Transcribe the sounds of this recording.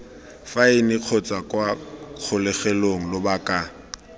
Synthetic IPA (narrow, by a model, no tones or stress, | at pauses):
faɪnɪq͡χʰɔt͡sʼakʼwaq͡χʰʊlɛχɛloŋ̩lʊbakʼa